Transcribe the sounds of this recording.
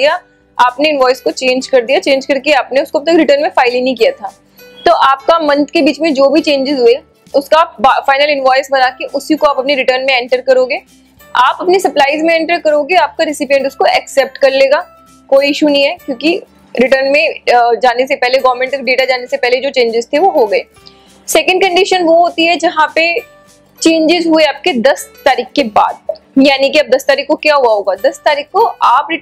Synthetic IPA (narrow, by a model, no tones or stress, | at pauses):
d̪ija | aːpneɪnʋɔːɪskot͡ʃẽːɲd͡ʒkɐɾd̪ijat͡ʃẽːɲd͡ʒkɐɾkeaːpneʊskop̚t̪ɐkɾɪʈəɾnmẽfaːɪlĩnɐɦĩkijat̪ʰaː | t̪oːʔaːp̚kamɐ̃nt̪kebiːt͡ʃmẽd͡ʒoːbʱit͡ʃẽːɲd͡ʒɪzɦʊe | ʊskabafaːɪnəlɪ̃nʋɔːɪsbɐnaːkeʔʊsikoaːpɐpniɾɪʈəɾnmẽɛ̃ːɳʈəɾkɐɾoːɡeː | aːpɐpnisɐplaːɪzmẽɛ̃ːɳʈəɾkɐɾoːɡeaːp̚kaɾɪsɪpijə̃ɳʈʊskoɛksɛːp̚ʈkɐɾleːɡaː | koːiɪʃunɐɦĩɦɛːkjõːki | ɾɪʈəɾnmẽd͡ʒaːnes̬epɛɦleɡɔʋɾmẽɳʈɔfɖeːʈad͡ʒaːnesepɛɦled͡ʒoːt͡ʃẽːɲd͡ʒɪzt̪ʰeʋoɦoɡɐeː | sɛːkə̃ɳɖkɐ̃ɳɖɪʃənʋoɦoːt̪iɦɛd͡ʒɐɦãpe | t͡ʃẽːɲd͡ʒɪzɦueaːp̚ked̪ɐst̪aːɾiːkkeba̰ːd̪̚jaːnikiɐb̚d̪ɐst̪aːɾiːkːokjaːɦuaɦoːɡaːd̪ɐst̪aːɾiːkkoaːpɾɪ